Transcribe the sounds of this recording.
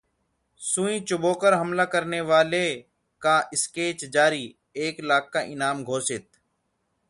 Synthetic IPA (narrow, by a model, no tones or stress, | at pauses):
sũːĩːt͡ʃʊboːkəɾɦəmlaːkəɾneːʋaːle | kaːʔɪskeːt͡ʃd͡ʒaːɾiː | eːklaːk̚ːaʔɪnaːmɡʱoːsɪt̪̚